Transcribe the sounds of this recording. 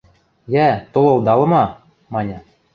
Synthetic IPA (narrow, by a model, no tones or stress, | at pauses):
jæt̪ŏlˠɤ̆wd̪ɑlˠɤ̆mɑ | mɑnʲɑ